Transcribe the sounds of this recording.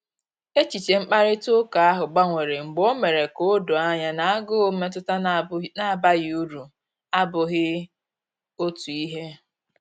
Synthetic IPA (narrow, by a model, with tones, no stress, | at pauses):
e˦t͡ʃi˨t͡ʃe˨ŋ͡m̩˦k͡pa˦ɾɪ˦to˦ka˨a˦ɦʊ˨ɡ͡ba˦ŋʷe˨ɾe˨ŋ͡m̩˨ɡ͡bo˦me˨ɾe˨ko˦do˨a˦ɲa˦na˨a˦ɡʊ˦me˦t̬ʊ˦ta˦na˦a˨ba˦ɣɪ˦u˦ɾu˨ | a˦bʊ˨ɣɪ˦ | o˦tu˨i˦ɦe˦